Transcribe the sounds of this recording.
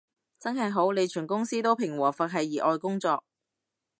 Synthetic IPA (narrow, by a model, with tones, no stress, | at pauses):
t͡sɐ˥nɦɐ˨jɦo˨˥wne˨˧jt͡ʃʰyː˨˩nkʊ˥ŋsiː˥t̪o˥wpʰɪ˨˩ŋwɔː˨˩fɐ˨k̚ɦɐ˨jːiː˨˩ʔɔː˧jkʊ˥ŋt͡sɔː˧k̚